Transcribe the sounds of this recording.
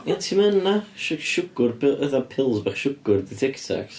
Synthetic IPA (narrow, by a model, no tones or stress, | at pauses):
antʰimənaʃʃʊɡ̥ʊrpʰɪʔəðapʰɪlˠzbaχʃʊɡ̥ʊrdiθɪktʰa̰ks